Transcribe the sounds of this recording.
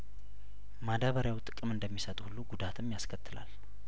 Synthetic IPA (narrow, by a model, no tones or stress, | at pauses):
mad̪aβəɾjawt̪ʼɨkʼɨmɨnd̪əmːisət̪ʼuhulːuɡud̪at̪ʰɨmːjaskʰət̪ʰːɨla̰l